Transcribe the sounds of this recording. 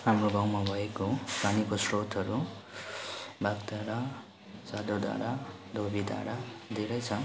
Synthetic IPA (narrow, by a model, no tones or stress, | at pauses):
ɦamroɡãwmabʱʌekopanikosrot̪ʌɾu | baɡd̪aɽa | sad̪od̪a̰ɽad̪ʱobʱid̪a̰ɽad̪eɾʌjt͡sʰʌ